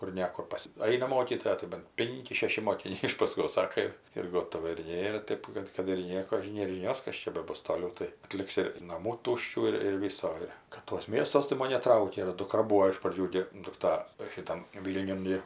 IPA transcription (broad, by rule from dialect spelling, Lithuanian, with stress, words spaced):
kʊr ˈnʲɛ kʊr ˈpɐs ˈɐɪnɐ ˈmoːkʲiːtoːjɛ tɐɪ bɐn ˈpʲɪŋʲkʲɪ ˈʃʲæːʃʲɪ moːkʲɪˈnʲɛɪ ɪʃ pɐˈskoːs ˈsɑːkɐ ɪr ɪr ˈɡoːtoːʋɐ ɪr ˈnʲeːrɐ ˈtʲeːp kɐt kɐt ɪr ˈnʲiɛkoː ˈnʲeːr ʒʲɪˈnʲoːs ˈkɐs t͡ʃʲɛ bʲɛˈbʊs toːˈlʲɛʊ tɐɪ ɐˈtʲlʲɪks ɪr nɐˈmuː ˈtʊʃʲt͡ʃʲuː ɪr ɪr ˈʋʲiːsoː ˈɪr kɐt tuɔs ˈmʲiɛstuɔs tɐɪ ˈmoːn nʲɛˈtrɐʊkʲɛ ɪr dʊˈkrɐ ˈbuːoː ɪʃ prɐˈd͡ʒʲuː ɡʲɪ dʊkˈtɐ ʃʲɪˈtɐm ˈʋʲiːlʲnʲʊn ɡʲɪ